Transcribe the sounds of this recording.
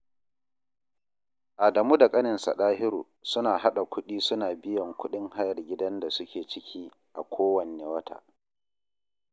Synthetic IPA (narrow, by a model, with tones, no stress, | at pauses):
ʔa˨dɐ˨muː˦da˨kʼɐ˦nɪ˨nsa̰˨ɗaː˦ɦɪ˦ɾuː˨ | sʊ˦naː˨ɦa˦ɗa˨kʷʊ˦ɗiː˦sʊ˦naː˨bɪ˦jɐ˨ŋkʷʰʊ˦ɗɪ˦ŋha˦jɐ˨rɡʲɪ˦dɐ˦nda˨sʊ˦kʲeː˨t͡ʃɪ˦kʲʰiː˦ | ʔa˨kʷʰoː˦wɐ˨neː˨wɐ˦tʰa̰ː˨